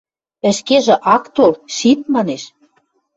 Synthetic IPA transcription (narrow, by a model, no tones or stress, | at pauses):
ə̆ʃkeʒĕʔɑkt̪olʃit̪̚mɑneʃ